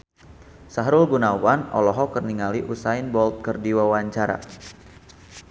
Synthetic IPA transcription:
saɦɾʊlɡunawanɔ̰lɔɦɔkərniŋaliʔusainbɔlt̪̚kərdiwawaɲt͡ʃaɾa̰

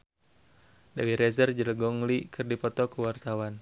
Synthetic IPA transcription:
dawiɾɛzərd͡ʒələɡɔŋlikʰɨrdipɔt̪ɔkuwart̪awan

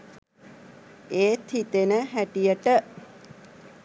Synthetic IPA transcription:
eːt̪ʰit̪enəɦæʈijəʈə

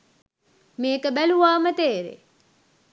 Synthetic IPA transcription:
meːkəbæluʋaːmət̪eːɾḛ

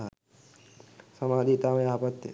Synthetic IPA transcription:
ɦa | sɐmaːd̪ʱit̪ameaːpət̪jə̰

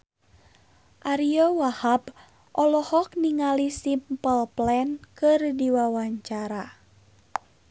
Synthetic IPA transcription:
ʔaɾiɔwahab | ʔɔlɔhɔk̚niŋalisimpəlplɛnkɨrdiwawaɲt͡ʃaɾa

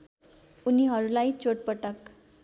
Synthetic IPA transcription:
uniɦʌɾulait͡ɕoʈ̚pəʈək

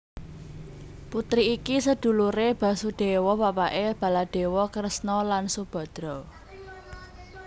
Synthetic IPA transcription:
put̪ɾiːkisəd̪̥ṳluɾeb̥ä̤sud̪̥e̤wɔwapaʔeb̥ä̤lad̪̥e̤wɔkəɾəsnɔlansub̥ɔ̤d̪̥ɾɔ

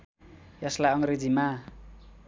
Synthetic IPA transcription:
jʌslajʌŋɾed͡zima

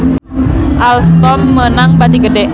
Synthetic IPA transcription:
ʔalst̪ɔmːənaŋbat̪iɡədɛ

